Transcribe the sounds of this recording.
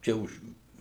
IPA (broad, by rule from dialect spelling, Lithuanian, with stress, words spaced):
ˈt͡ʃʲɛ ʊʃ